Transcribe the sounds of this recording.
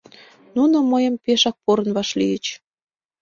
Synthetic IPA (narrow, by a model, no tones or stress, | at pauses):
nunomɤjəmpeʃɑk̚poɾənβɑʃlijət͡ɕ